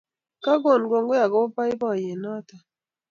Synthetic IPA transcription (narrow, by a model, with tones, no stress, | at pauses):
ka˦ɡo˦˨nɡo˨ŋɡo˦ja˨ɡo˦pa˦ɪ˦bɔ˦˨je˨nɔ˦ta˨